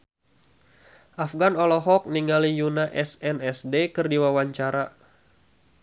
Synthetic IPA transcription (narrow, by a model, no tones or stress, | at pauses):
ʔafɡanɔlɔɦɔk̚niŋalijunaʔɛsɛnɛsdekɨrdiwawaɲt͡ʃaɾa